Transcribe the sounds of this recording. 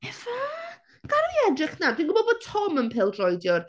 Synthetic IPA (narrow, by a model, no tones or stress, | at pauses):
ɛva | ɡ̥aɾajɛdrɪχnadʰinɡʊbɔdbod̥̚tʰɔmənpʰɪlˠdrɔjdjɔr